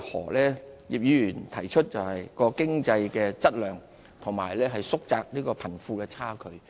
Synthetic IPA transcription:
hɔ̰ː˨˩lɛː˥jiː˨p̚jyː˨˧jyː˨˩nt̪ʰɐ˨˩jt͡ʃʰt̚t͡sɐ˨whɐ˨jkɔː˧kɪ˥ŋt͡sɐ˧jkɛː˧t͡sɐ˥t̚lœː˨ŋ | t̪ʰʊ˨˩ŋma̰ː˨˩jlɛː˥ɦɐ˨jsʊ˥k̚t͡saː˨k̚liː˥kɔː˧pʰɐ˨˩nfuː˧kɛː˧t͡sʰaː˥kʰɵ˨˧ɥ

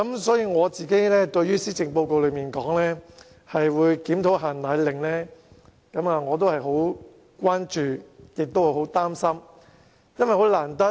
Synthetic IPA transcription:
kɐ˨˦msɔː˨˥jiː˧ŋɔː˨˧t͡siː˨˩ke˨˥jlɛː˥t̪ɵ˧ɥjyː˥siː˥t͡sɪ˨˩ŋpo˧wko˧wlɵ˨˧ɥmiː˨˩nkɔː˨˥ŋlɛː˥ | hɐ˨jwuː˨˧jkiː˨˥mt̪ʰo˨˥wɦaː˨˩nt̪aː˨˧jlɪ˨˩ŋlɛː˥ | kɐ˨˥maː˨˧ŋɔː˨˧t̪̬o˥whɐ˨jɦo˨˥w | kʷaː˥nt͡ʃyː˨˩jɪ˨k̚t̪o˥whɐ˨˩ho˨˥wt̪aː˥msɐ˥m | jɐ˥nwʋɐ˨jho˨˥wlaː˨˩nt̪ɐ˥

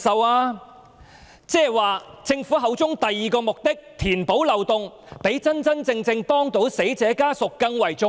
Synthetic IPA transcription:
sɐ˨˧waː˧ | t͡sɛː˥˩waː˨˩t͡sɪ˧ŋfuː˨˥ɦɐ˨˧wt͡sʊ˥ŋt̪ɐ˨jːiː˨˩kɔː˧mʊ˨k̚t̪ɪ˥k̚t̪ʰiː˨˩npo˨˥wlɐ˨wt̪ʊ˨˧ŋ | pe˨˥jt͡sɐ˥nt͡sɐ˥nt͡sɪ˧ŋt͡sɪ˧ŋpɔː˥ŋt̪o˨˥wse˨˥jt͡sɛː˨˥kaː˥sʊ˨kːɐ˧ŋwɐ˨˩jt͡sʊ˧

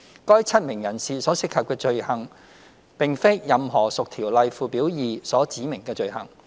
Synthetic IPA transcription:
kɔː˥jt͡sʰɐ˥t̚mɪ˨˩ŋjɐ˨˩nsiː˨sɔː˨˥sɪ˥k̚ʰːɐ˨p̚kɛː˧t͡ʃɵ˨˧ɥhɐ˨˩ŋ | pɪ˨ŋfe˥jɐ˨mɦɔː˨˩sʊ˨k̚t̪ʰiː˨˩wlɐ˨jfuː˨˧piː˨˥wjiː˨˩sɔː˨˥t͡siː˨˥mɪ˨˩ŋkɛː˧t͡ʃɵ˨ɥhɐ̰˨˩ŋ

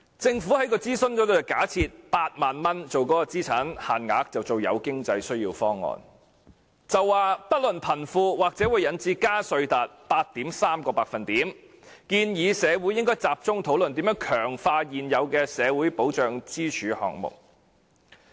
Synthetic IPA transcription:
t͡sɪ˧ŋfuː˨˥hɐ˨˥jkɔː˧t͡siː˥sɵ˥nt͡sɔː˨˥t̪o˧jkaː˨˥t͡sʰiː˧t̚paː˧t̚maː˨nmɐ˥nt͡so˨wkɔː˨˥kɔː˧t͡siː˥t͡sʰaː˨˥nhaː˨nŋa̰ː˨˥k̚t͡sɐ˨wt͡so˨wjɐ̰˨˧wkɪ˥ŋt͡sɐ˧jsɵ˥ɥjiː˧wfɔː˥ŋːɔ̰ː˨n | t͡sɐ˨wːaː˨pɐ˥t̚lɵ˨npʰɐ˨˩nfuː˧waː˨k̚t͡sɛː˨˥wuː˨˧jːɐ˨˧˥nt͡siː˧kaː˥sɵ˧ɥt̪aː˨t̚paː˧t̚t̪iː˨˥msaː˥mkɔː˧paː˧k̚fɐ˨nt̪iː˨˥m | kiː˧njiː˨˧sɛː˨˧wuː˨˥jɪ˥ŋkɔː˥jt͡saː˨p̚t͡sʊ˥ŋt̪ʰo˨˥wlɵ˨nt̪iː˨˥mjœː˨˥ŋkʰœː˨˩ŋfaː˧jiː˨njɐ˨˧wkɛː˧sɛː˨˧wuː˨˥jpo˨˥wt͡ʃœː˨ŋt͡siː˥t͡ʃʰyː˨˧hɔ̰ː˨ŋ̚mʊ̰˨k̚

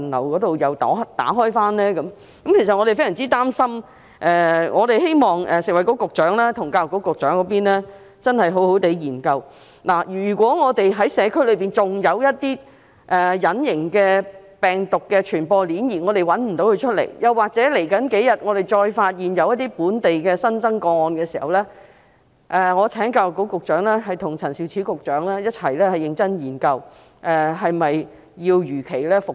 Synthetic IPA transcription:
nlɐ̰˨˩wkɔː˨˥t̪o˨wjɐ˨wt̪aː˨˥t̪a̰ː˨˥ɦɔː˥jfaː˥nlɛː˥kɐ˨˧˥m | kɐ˨˥mkʰe˨˩s̬ɐ˨ŋɔː˨˧ɾe˨fe˥jɐ˨˩t͡siː˥t̪aː˥msɐ˥m | ʔɛː˨ŋʔɔː˨˧ɾe˨jɦe˥jmɔː˨ŋʔɛː˨sɪ˨k̚wɐ˨˩jkɔ˨˥kʊ˨k̚t͡ʃœː˨˥ŋlaː˥t̪ʰʊ˨˩ŋkaː˧lʊ˨˩kɔ˨˧˥kʊ˨k̚t͡ʃœː˨˥ŋkɔː˨˦piː˥nlɛː˥ | t͡sɐ˥nhɐ˨jɦo˨˥who˨˥wt̪e˨˧˥jjiː˨˩nkɐ˧w | laː˨˩jyː˨˩kʷɔː˨˥ŋɔː˨˧t̪e˨jɦɐ˨˥jsɛː˨˧kʰɵ˥lɵ˨˧ɥpiː˨˩nt͡sʊ˨ŋjɐ˨˧wjɐ˥t̚t̪iː˥ | ʔɛː˨jɐ˨˥njɪ˨˩ŋkɛː˧ | pɛː˨ŋt̪ʊ˨kːɛː˧t͡ʃʰyː˨˩npɔː˧liː˨˥njiː˨˩ŋɔː˨˧t̪e˨˩jwɐ˨˥nm̩˨˩t̪o˨˥wkʰɵ˧ɥt͡ʃʰɵ˥t̚lḛ˨˩jjɐ˨˩wːaː˨k̚t͡sɛ˨˥le˨˩jkɐ˨˥nke˨˥jɐ˨t̚ŋɔː˨˧ɾe˨jt͡ʃɔː˧jfaː˧t̚jiː˨njɐ˨˧wjɐ˥t̪̚ːiː˥puː˨˥nt̪e˨jkɛː˧sɐ˥nt͡sɐ˥ŋkɔː˧ŋɔː˧nkɛː˧siː˨˩hɐ̰˨wlɛː˥ | ʔɛ˨˧ŋɔː˨˧t͡sʰɛː˨˥ŋka˧wko˨˥wkʊ˨k̚t͡ʃœː˨˥ŋlɛː˥ɦɐ˨jt̪ʰʊ˨˩ŋt͡sʰɐ˨˩nsi˨˧˩wt͡sʰiː˨˥kʊ˨k̚t͡ʃœː˨˥ŋlɛː˥jɐ˥t̚t͡sʰɐ˨˩jlɛː˥hɐ˨jɪ˧ŋt͡sɐ˥njiː˨˩nkɐ˧w | ʔɛː˨ɦɐ˨jmɐ˨j | jiː˧wjyː˨˩kʰe˨˩jlɛː˥fʊ˨k̚

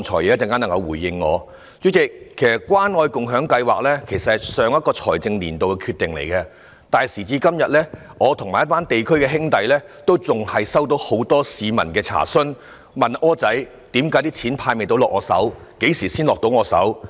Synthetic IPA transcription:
ŋt͡ʃʰɔː˨˩jɛ˨˧jt͡sɛ˧ŋkaː˥nɐ˨˩ŋkɐ˧wuː˨˩jɪ˧ŋːɔ̰ː˨˧ | t͡sy˨˥t͡sɪ˨k̚ʰːe˨˩jsɐ˨˩t̚kːwaː˥nŋɔː˧jkʊ˨ŋɦœː˨˥ŋkɐ˧jwaː˨k̚lɛː˥kʰe˨˩jsɐ˨t̚hɐ˨jsœː˨˧ŋjɐ˥t̚kɔː˧t͡sʰɔː˨˩jt͡sɪ˧ŋliː˨˩nt̪o˨wkɛ˧kʰy˧t̪ːɪ˨ŋlḛ˨˩jkɛ˧ | t̪aː˨˩jsiː˨˩t͡siː˧kɐ˥mjɐ˨t̚lɛː˥ | ŋɔː˨˧t̪ʰʊ˨˩ŋmaː˨˩jɐ˥t̚paː˥nt̪e˨jkʰɵ˥ɥkɛː˧ɦɪ˥ŋt̪ɐ˨jlɛ˥t̪o˥wt͡sʊ˨ŋhɐ˨jsɐ˥wt̪̬o˨˥who˨˥wt̪ɔː˥siː˨˧mɐ̰˨˩nkɛː˧t͡sʰa̰ː˨˩sɵ˥n | mɐ˨nʔɔː˥t͡sɐ˨˥j | t̪iː˨˥mkaː˨˥jt̪̬iː˥t͡sʰiː˨˥npʰaː˧jme˨˩t̪o˧˥wlɔː˨kŋɔː˨˧sɐ̰˨˥wke˨˥jsiː˨˩siː˥nlɔː˨k̚t̪o˨˧wŋɔː˨˧sɐ̰˨˥w

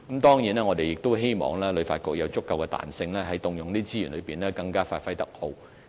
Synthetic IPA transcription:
kmt̪ɔː˥ŋjiː˨˥nɛː˥ŋɔː˨˧d̪e˨jɪ˨k̚t̪o˥wɦe˥jmɔ̰ː˨˩ŋlɛː˥lɵ˨˧ɥfaː˧t̚kʊ˨k̚jɐ˨˧wt͡sʊ˥kːɐ˨˧wkɛ˧t̪a̰ː˨nsɪ˧ŋlɛː˥ɦɐ˨˥jt̪ʊ˨˧ŋjʊ˨ŋniː˥t͡siː˥jyː˨˩nlɵ˨˧ɥpiː˨nlɛː˥kɐ˧ŋkaː˥faː˧t̚fɐ˥jt̪ɐ˥k̚ho˧w

